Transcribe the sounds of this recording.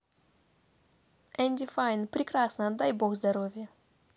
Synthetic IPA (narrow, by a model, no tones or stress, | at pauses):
ɛnʲd̪ʲɪfajnpɾʲɪkrasnəɐd̪ːajboxzd̪ɐɾovʲjə